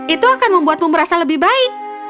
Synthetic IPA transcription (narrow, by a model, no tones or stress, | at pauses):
it̪uakanməmbuat̪̚məmbəɾasaləbɪhbaɪk̚